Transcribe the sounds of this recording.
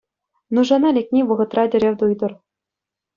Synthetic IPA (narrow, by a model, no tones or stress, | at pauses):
nuʐɑnɑlʲek̚ʲnʲiʋɤ̆ʁɤ̆t̪rɑdʲɘ̆ɾʲeʋʲd̪ujd̪ɤ̆r